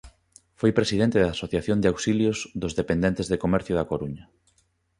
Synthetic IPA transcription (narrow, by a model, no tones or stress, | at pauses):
fojpɾesiðent̪ɪðasoθjaθjond̪awsiljozðʊzðepend̪ent̪ezðekomɛɾθjʊðakoɾuɲɐ